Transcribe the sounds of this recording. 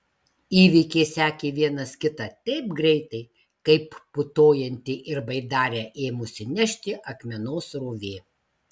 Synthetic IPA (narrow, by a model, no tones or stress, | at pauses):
iːʋʲikʲeːsʲæːkʲeʋʲiɛnɐskʲɪt̪ɐt̪ʲɛɪpɡɾʲɛɪt̪ɐɪ | kɐɪpːʊt̪oːjɛnʲt̪ʲɪʔɪɾbɐɪd̪ɑːɾʲeːʔeːmʊsʲɪnʲɛʃʲt̪ʲɪʔɐkmʲɛnoːsɾuʋʲeː